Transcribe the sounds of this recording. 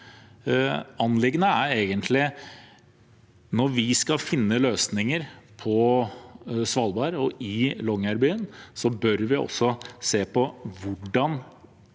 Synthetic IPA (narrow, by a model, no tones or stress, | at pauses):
ɑnlɪɡnəæɾeːɡənt̪ʰlɪ | nɔɾʋɪskɑfɪnːəløːsnɪŋəɾpʰɔ | sʋɑlbɑːɾɔʔɪlɔŋːæɾbyːənsɔbœɾʋɪɔ̰sːɔseːpʰɔʋʊɖɑn